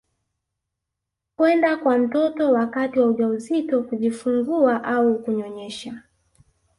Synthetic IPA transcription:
kwɛndakwam̩tɔtɔwakatiwauʄauzitɔkuʄifuŋɡuaʔaukuɲɔɲɛʃa

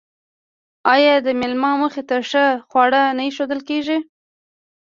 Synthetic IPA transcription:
ɑjɑd̪əmɪlmɑməxet̪aʂəxwɑɽənaiʃod̪əlkeʒi

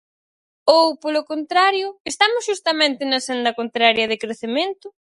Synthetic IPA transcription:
owpolʊkont̪ɾaɾjʊest̪amʊsʃust̪ɐmẽnt̪ɪnɐsɛnd̪ɐkont̪ɾaɾjɐðɪkɾeθɪmẽnt̪ʊ

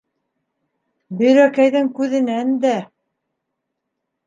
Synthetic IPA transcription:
bɵ̆jɾækæjðɘŋkʉðɘ̆nænd̪æ

